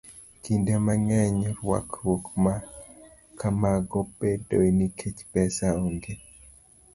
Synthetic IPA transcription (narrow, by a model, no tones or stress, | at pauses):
kindemaŋɛɲɔɾwa̰kɾwokma | kʰamaɡɔpedo̰nikʰet͡ʃpɛsaoŋɡe